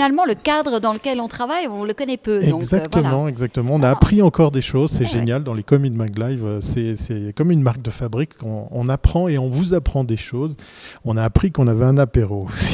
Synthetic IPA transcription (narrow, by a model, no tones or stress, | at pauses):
nalmɑ̃ləkad̪ʁəd̪ɑ̃ləkʲɛlɔ̃t̪χavajɔ̃ləkɔnɛpødɛ̃ɡzakvəmɑ̃ɛɡzak̚t̪əmɑ̃ɔ̃naːpχiɑ̃kɔʁd̪eʃozsɛʒenjald̪ɑ̃lekɔmid̪mãɡlajvøsɛsɛkɔmynmaʁk̚d̪əfabʁikːɔ̰̃ːnapχɑ̃eɔ̃vuzapχɑ̃d̪eʃoːz | ɔ̃naːpχikɔ̃navɛɛ̃napeʁos